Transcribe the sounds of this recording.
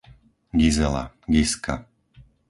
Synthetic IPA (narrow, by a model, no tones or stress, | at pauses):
ɡizɛla̰ | ɡiska